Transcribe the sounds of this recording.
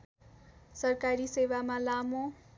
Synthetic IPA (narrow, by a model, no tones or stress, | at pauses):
sʌrkaɾisewamalamo